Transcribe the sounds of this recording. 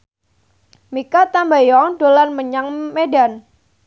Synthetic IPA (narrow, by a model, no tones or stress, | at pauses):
mikat̪ambajɔŋɖolanməɲaŋmedan